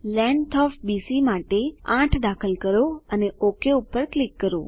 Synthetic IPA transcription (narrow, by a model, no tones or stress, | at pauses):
lɛ̃ɳʈʰɔfbisimaʈeãʈʰd̪akʰəlkəɾoəneʔokeupːəɾklikːəɾo̰